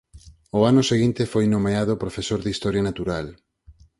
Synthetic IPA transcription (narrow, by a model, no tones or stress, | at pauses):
oanʊseɣint̪efojnomeaðopɾofesoɾðist̪ɔɾjanat̪uɾal